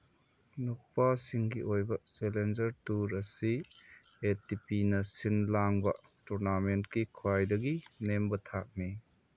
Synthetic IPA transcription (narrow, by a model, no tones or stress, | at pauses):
nupːasiŋɡiʔojbɐselend͡ʒɐɾtuɾɐsi | etipinɐsinlaŋbɐtuɾnamentkikʰuajdɐɡinembɐtʰak̚mi